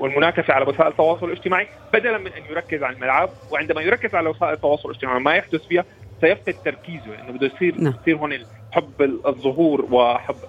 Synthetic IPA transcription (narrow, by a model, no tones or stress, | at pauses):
wɪlmʊnaːkafaʕalawɪsaːʔɪlt̪ːɑwɑːsˤʊlɪlʔɪd͡ʒt̪ɪmaːʕi | bad̪alanmɪnʔanjʊɾˤɑkːɪzʕanalmalʕab̚wɪʕɪnd̪amajʊɾɑkːɪzʕalawɪsaːʔɪlt̪ːɑwɑːsˤʊlʔɪd͡ʒ̥t̪ɪmaːʕimajaħd̪ʊsfiːhasajaft̪ɪt̪ːɑɾˤkiːzʊlʔɪ̰nːʊbɪd̪ujsˤiːɾsˤiːɾɦʊːnɪ | ħabːzˤːʊɦuːɾwɪʔaħabː